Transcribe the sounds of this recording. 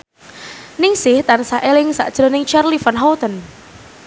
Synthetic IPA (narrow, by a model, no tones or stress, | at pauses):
nɪŋsɪht̪ansaʔelɪŋsa̰ʔd̥ʒ̥ɾɔnɪŋt͡ʃarlifanɦɔt̪ən